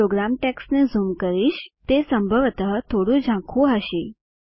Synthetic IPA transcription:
oɡɾamʈɛksnezumkəɾiːɕt̪esəmbʱəʋt̪əɦt̪ʰoɽũd͡ʑʱãkʰũɦəɕi

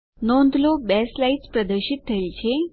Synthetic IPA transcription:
nond̪ʱlobɛslait͡spɾəd̪əɾɕit̪ːʰəlt͡ɕe

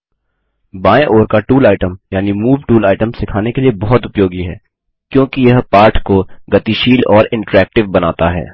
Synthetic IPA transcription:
baːẽʔoːɾkaʈuːlaːɪʈəmjaːnimuːʋʈuːlaːɪʈəmsɪkʰaːnekeliebɔɦɔt̪ʊpjoːɡiɦɛ̰ː | kjõːkijɐɦpaːɾʈʰkoɡɐt̪iʃiːlɔːɾɪ̃ɳʈəɾɛːk̚ʈɪʋbɐnaːt̪aɦɛ̰ː

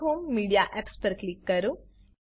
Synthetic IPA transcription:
ɦoːmːiːɖijaːʔepspɐɾklikːɐɾu

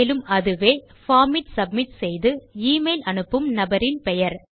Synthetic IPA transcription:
lɯmɐðɯʋeː | faːmɪʈsɐb̚mɪʈsɛjðɯiːmɐɪlɐnɯpːɯmnɐbɐɾɪnpɛjɐɾ

